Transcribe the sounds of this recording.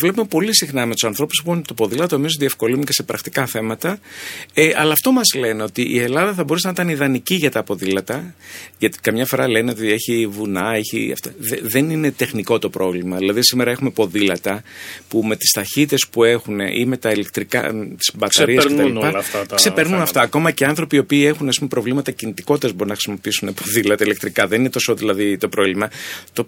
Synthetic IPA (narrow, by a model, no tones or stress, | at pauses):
vle̞pume̞po̞lisixnɐme̞t̪u̥sɐnθɾo̞puspumot̪opo̞ðilɐt̪oemiozðie̞fko̞linuce̞se̞pɾɐkt̪ikɐθe̞mɐt̪ɐeɐlɐːft̪o̞mɐzle̞neo̞t̪iʔie̞lɐðɐθɐbo̞ɾusenɐit̪ɐniðɐniciʝɐt̪ɐpo̞ðilɐt̪ɐʝɐt̪i̥kɐmɲɐfo̞ɾɐle̞neo̞t̪ie̞çivunɐe̞çiɐ̰ft̪oðeðe̞nine̞t̪e̞xniko̞t̪o̞pɾo̞vlimɐðilɐðisime̞ɾɐe̞xume̞po̞ðilɐt̪ɐpume̞t̪i̥st̪ɐçit̪e̞spue̞xune̞̰ʔime̞t̪ɐilek̚t̪ɾikɐ̰t̪i̥sbɐtk̪sɐɾiɐsket̪ɐlipɐlɐft̪ɐt̪kse̞pe̞ɾnunɐft̪ɐːko̞mɐceɐnθɾopiopiːe̞xunɐspumepɾo̞vlimɐt̪ɐcinit̪iko̞t̪ːezbo̞ɾunɐxɾisimo̞piisunepoðilɐt̪ɐilek̚t̪ɾikɐðe̞ninet̪o̞soðilɐðit̪o̞pɾo̞vlimɐt̪o̞